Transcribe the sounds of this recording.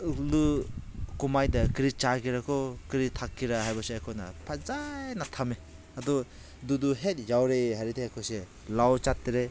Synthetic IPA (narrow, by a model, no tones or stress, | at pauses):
lɯ | kumajdakɾit͡ʃakiɾakʰɔkɾitʰakːiɾaɦajbaseajkʰɔna̰pʰazajnatʰame | adɔ | duduɦet̚jawɾeɦaɾideajkʰɔse | lawt͡ʃatːiɾe